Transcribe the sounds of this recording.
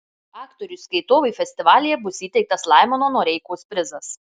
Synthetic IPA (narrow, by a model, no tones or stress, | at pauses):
ɑːkt̪ɔɾʲʊsʲkɐɪt̪oːʋɐɪfʲɛsʲt̪ʲɪʋɑːlʲɪjɛbʊsiːt̪ʲɛɪk̚t̪ɐslˠɑˑɪmɐnoːnoːɾʲɛɪkoːspʲɾʲɪzɐs